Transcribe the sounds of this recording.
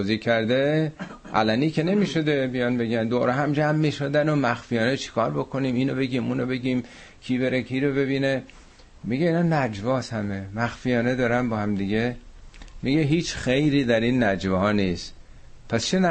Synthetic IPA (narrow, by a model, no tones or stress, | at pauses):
t̪ʰoziːcʰæɾd̪eʔæ̰læniːkʰe̞ne̞miːʃo̞d̪emijɒnbe̞ɡænd̪oːɾɛɦæmd͡ʒæmːiʃod̪ænomæxfijɒːnet͡ʃʰi̥kʰɒːɾbo̞kʰo̞niːmiːnobe̞ɡiːmuːnobe̞ɡiːm | kʰiːβe̞ɾekʰiːɾoβe̞βiːne | miɡeiːnɒːnæd͡ʒvɒːshæmemæxfijɒːned̪ɒːɾænbɒːhæmd̪iɡe̞ | miɡeɦiːt͡ʃxejɾiːd̪æɾiːnːæd͡ʒvɒɒːniːst̪ | pʰæst͡ʃʰenæ